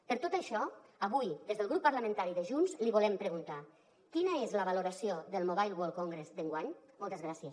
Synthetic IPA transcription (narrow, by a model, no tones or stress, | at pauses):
pəɾt̪ot̪əʃɔəβujd̪ezðəlˠɣɾupːəɾləmə̃nt̪aɾiðəʒunzliβulɛmpɾəɣunt̪a | kinəezləβəluɾəsioðəlˠmoβajlˠwolˠkoŋɡɾezd̪əŋɡwaɲmɔlˠt̪əzɣɾasiəs